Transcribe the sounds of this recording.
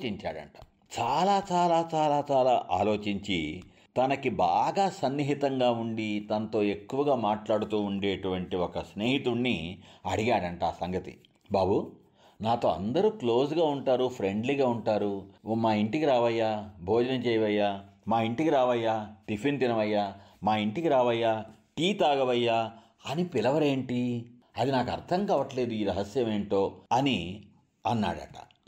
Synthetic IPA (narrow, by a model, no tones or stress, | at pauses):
t͡ʃiɲt͡ʃaːɽɐ̰ɳʈɐ̥ | t͡ʃaːlaːt͡ʃaːlaːt͡ʃaːlaːt͡ʃaːlaːʔaːlo̞ːt͡ʃiɲt͡ʃi | t̪ɐnɐkibaːɡaːsɐnːiɦit̪ɐŋɡaːuɳɖit̪ɐnɐt̪o̞ːe̞kːuʋɐɡaːmaːʈlaːɽut̪uːɳɖeːʈuʋɐɳʈiɔkɐsneːɦit̪unːiɐɽiɡaːɽɐɳʈaːsɐŋɡɐt̪ḭ | bʱaːbu | naːt̪o̞ːɐ̰nd̪ɐɾuːklo̞ːs̬ɡaːuɳʈaːɾupʰɾe̞ɳɖliɡaːuɳʈaːɾumaːiɳʈikiɾaːʋɐjːaːbʱoːd͡ʒɐnɐt͡ʃɛːjɐʋɐjːaːmaːiɳʈikiɾaːʋɐjːaːt̪ifint̪inɐʋɐjːaːmaːiɳʈikiɾaːʋɐjːaː | ʈiːt̪aːɡɐʋɐjːaː | ɐnipilɐʋɐɾe̞ːɳʈi | ɐd̪inaːkɐɾt̪ʰɐŋkaːʋɐʈle̞ːd̪uiːɾɐɦɐsjɐme̞ːɳʈo̞ːɐni | ɐnːa̰ːɽɐ̰ʈɐ̥̰